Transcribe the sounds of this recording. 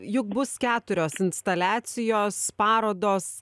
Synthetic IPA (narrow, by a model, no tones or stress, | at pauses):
jʊk̚bʊskʲæːt̪ʊɾʲoːsɪnst̪ɐlʲæːt̪sʲɪjoːspɑːɾoːd̪oːs